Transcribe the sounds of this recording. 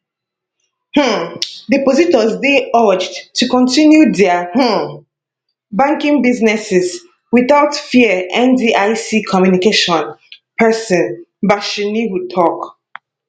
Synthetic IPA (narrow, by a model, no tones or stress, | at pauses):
h̩dipozitɔzdeɔd͡ʒdtʰukɔ̃ntĩnjudɛəh̩ | bãŋkĩŋbiznɛsɛz | wiθaʊtfiəʔɛ̃ndiʔaɪsikʰɔmjunikeʃɔ̃npʰɛsɔ̃nbaʃiniwutʰɔk